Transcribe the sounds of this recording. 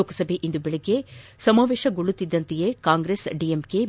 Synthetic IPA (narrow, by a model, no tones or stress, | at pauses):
oːkɐsɐbʱeʔind̪ubɛɭiɡːe̞sɐmaːʋeːʃɐɡoɭːut̪ːid̪ːɐnt̪ijekaːŋɡɾeːsɖiemke